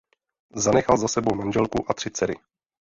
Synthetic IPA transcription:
zanɛxalzasɛbowmanʒɛlkuʔat̪r̥ɪt͡sɛɾɪ̰

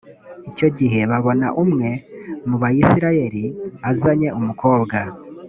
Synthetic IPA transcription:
ico̞ɟiɦe̞βaβo̞na̰ʔumŋe̞muβajisiɾaje̞ɾiazaɲe̞umuko̞ːbɡa

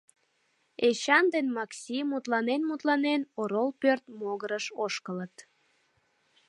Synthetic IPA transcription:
eɕɑnd̪enmɑksʲimut̪lɑnenmut̪lɑnenoɾolpørt̪moɣəɾəʃoʃkələt̪

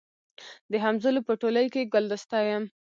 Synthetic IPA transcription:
d̪əɦamzəlopəʈoləjkeɡʊld̪əst̪ɑjəm

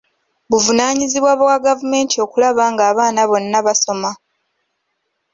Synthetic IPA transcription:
βuvunaːɲiziβwaβwaɡavume̞ːntʰio̞ːkulaβaːŋɡaːβaːnaβo̞nːaβaso̞ma

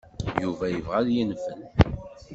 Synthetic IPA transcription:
juvæjəvʁæðjinfən

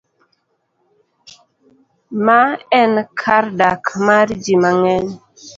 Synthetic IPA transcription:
maɛnkʰaɾdakʰmaɾd͡ʒimaŋɛn

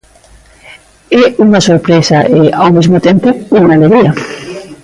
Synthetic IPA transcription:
ɛuŋasoɾpɾesaʔeawmezmʊt̪ẽmpʊuŋaleɣɾia

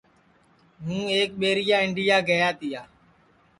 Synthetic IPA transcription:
ɦũːeːk̚ɓeːɾɪjaːɪɳɖɪjaːɡəjaːt̪ɪjaː

